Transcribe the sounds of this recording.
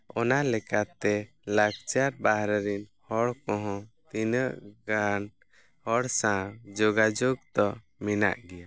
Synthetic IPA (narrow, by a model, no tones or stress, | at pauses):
ɔnalɛkat̪ɛ | laɡt͡ʃaɾbaɦɾɛɾinhɔɽkɔ̃ɦɔ̃t̪inəʔɡan | hɔɽsãd͡ʒoɡad͡ʒoɡt̪ɔ | mina̰ʔɡɛja